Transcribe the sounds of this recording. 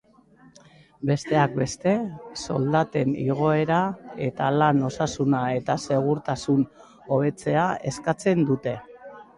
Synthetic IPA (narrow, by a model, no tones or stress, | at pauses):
be̞st̪e̞ak̚be̞st̪e̞so̞ld̪at̪e̞nḭɣ̞o̞e̞ɾae̞t̪alano̞sasunae̞t̪ase̞ɣ̞uɾt̪asun | o̞β̞e̞t͡se̞ae̞skat͡se̞nd̪ut̪e̞